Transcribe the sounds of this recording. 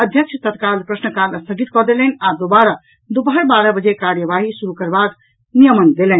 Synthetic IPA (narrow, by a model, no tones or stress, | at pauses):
əd̪ʱjəkt͡ʃʰt̪ət̪kalpɾəsnəkaləst̪ʰəɡit̪kɔd̪elɛnad̪obaɾa | d̪obəɦəɾbaɾəbəd͡ʒekaɾjəʋaɦisuɾukəɾbak | nijəmənd̪elɛn